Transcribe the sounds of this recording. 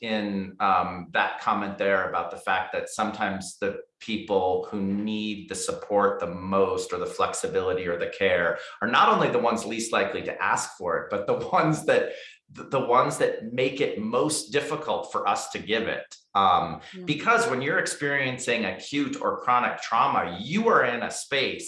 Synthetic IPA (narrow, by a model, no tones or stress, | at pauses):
ɪ̃nʌ̃mðə̰t̚kʰɑmɨ̃nðə˞ɨbaʊt̪̚ðəfæk̚ðɨtsʌ̃mtʰãɪ̃mzðɨpʰipl̩ˠhunid̪̚ðɨsəpʰɔɹt̪̚ðəmoʊstə˞ðəflɛksɨbɪlˠəɾiə˞ðɨkʰɛɹə˞nəɾõʊ̃nliðəwʌ̃nzlistˡlaɪkliɾɨ̰ʔæ̰skfə˞ɨ̰t̚b̥ʌt̪̚ðəwʌ̃nzðɨt̪̚ | ððəwʌ̃nzðɨt̚meɪkɨt̚moʊsd̥ɪfəkʰl̩ˠtfə˞ʔʌ̰stʰɨɡɪvɪ̰t̚ | ʌ̃mb̥ɨkʰʌzwə̃njə˞ɨkspɪɹiɨ̃nsɪ̃ŋɨkʰj̥ʉɾə̰˞kʰɹ̥ɑnɨk̚tʰɹ̥ɑmə̰jɨə˞ɪ̃nɨ̰speɪs